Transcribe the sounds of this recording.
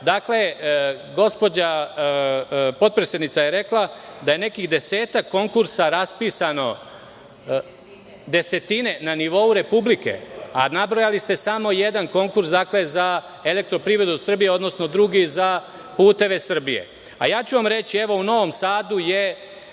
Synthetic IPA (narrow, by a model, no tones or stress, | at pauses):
d̪akle̞ | ɡo̞spo̞d͡ʑa | po̞t̪̚pɾesed̪nit̪sajeɾe̞klˠad̪aje̞ne̞kiɣd̪e̞se̞ːt̪akːo̞ŋkuɾsaɾaspiːsano̞ | d̪e̞se̞t̪ine̞naniʋo̞uɾe̞publike̞̰anabɾo̞jalist̪e̞samo̞jed̪anko̞ŋkuɾsd̪akle̞za | e̞lek̚t̪ɾo̞pɾiːvɾe̞d̪usr̩bije̞o̞d̪no̞sno̞d̪ɾuɡiza | puːt̪e̞ʋe̞sr̩bije̞̰ | a̰jaːt͡ɕuʋamɾe̞t͡ɕieʋo̞uno̞ʋo̞msaːd̪uje